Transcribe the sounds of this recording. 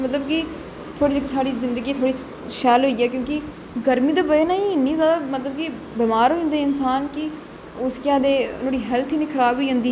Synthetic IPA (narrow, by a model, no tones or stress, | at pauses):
mət̪ləbkɪ | t̪ʰoːɽiːd͡ʒɪksaːɽiːzɪnd̪əɡiːt̪ʰoːɽiː | ʃɛːlɦoːiːɛːkjõːkɪ | ɡəɾmiːd̪aːbəeːnaːĩnːiːzaːd̪aːmət̪ləb̚kɪ | beːmaːɾɦõːnd̪eːɪnsaːnkɪ | ʊskjãːd̪eːnõːɽiːɦɛlt̪ʰiːniːkʰəɾaːbiːɦʊ̃ːnd̪iː